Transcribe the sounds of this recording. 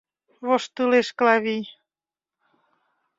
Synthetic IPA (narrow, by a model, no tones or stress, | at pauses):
βoʃt̪ɨleʃklɑβij